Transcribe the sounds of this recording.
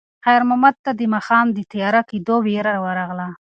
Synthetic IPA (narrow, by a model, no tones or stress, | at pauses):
xajɾmamad̪̚t̪ad̪əmɑxɑmd̪ət̪ajɑɾaked̪oweɾawəɾɑɣla